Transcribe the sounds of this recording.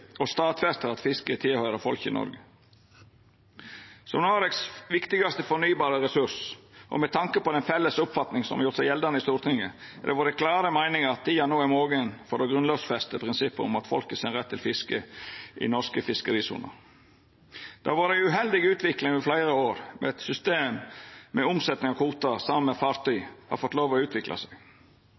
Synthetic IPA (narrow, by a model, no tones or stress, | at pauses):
ɔst̪ɑːt̪fɛst̪əɾɑt̪fɪskət̪ʰɪlhœʏɾəfɔlkɪ̰nɔ̰ɾɡə | sɔmnoːɾɛksʋɪkt̪ɪɡɑst̪əfɔnyːbɑːɾəɾɛsʉʂʔɔ̰mɛt̪ʰɑŋkəpɔd̪ɛnfɛlːəsʊpfɑt̪nɪŋsɔ̰mɑjʊɾt̪sæɪjɛld̪ɑnəɪst̪uːɾt̪ʰɪŋə̰ | d̪ɛ̰ʋɑd̪ɛkʰlɑːɾəmæɪnɪŋəɑt̪̚ːiːjɑnoːɛmoːɡənfɔdɔɡɾʉnlɑːʋsfɛst̪əpʰɾɪnsɪpːəɾɔ̰mɑt̪fɔ̰lkəsɛnɾɛt̪ʰːɪlfɪskəʔɪ̰nɔskəfɪskəɾiːsṵːnə̰ɾ | d̪̥ɑ̰ːʋɑɖ̪ɛʉɦɛld̪ɪɡʉːt̪ʋɪklɪŋɪflæɪɾəoːɾmɛ̰ɛt̪sʏst̪eːmmɛʊmsɛt̪nɪŋɑkʰuːt̪əsɑmənmɛfɑːɾt̪yʏhɑ̰ɾfɔt̪ːloːʋɔʉːt̪ʰʋɪklʔɑ̰sæɡ